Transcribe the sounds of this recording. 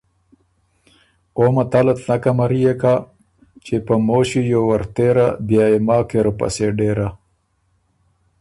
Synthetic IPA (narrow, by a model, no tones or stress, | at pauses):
oːmat̪alət̪nakamaɾijeka | t͡ʃepəmoːɕijowaɾt̪eɾa̰b̪jɑːemɑːkeɾopa̰seɖeːɾa